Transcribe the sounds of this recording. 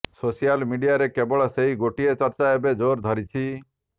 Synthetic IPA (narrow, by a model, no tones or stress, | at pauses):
sosijalmiɖijaɾekebɔɭɔseɦiɡoʈiet͡ʃɔɾt͡ʃaebed͡ʒoɾd̪ʱɔɾit͡ʃʰi